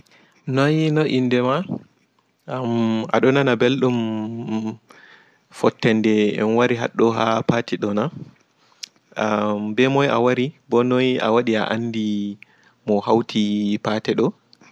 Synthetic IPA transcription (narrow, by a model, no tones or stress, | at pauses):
nɔjnɔʔindɛma | ama̰ɗɔnanabelɗum | fɔtːɛndɛɛ̰nwaɾiɦa̰ɗːɔɦapaːtiɗɔna | ambɛmɔjʔa̰waɾibɔnɔja̰waɗia̰ʔanːdi | mɔhawtʰipaːtɛɗɔ